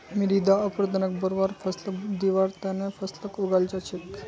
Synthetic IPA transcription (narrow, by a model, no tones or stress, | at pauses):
miɾid̪aəpɾəd̪ənək̚bəɾʋaɾfəsləkd̪iʋaɾt̪anẽfəsləkuɡalt͡ʃat͡ɕʰepːi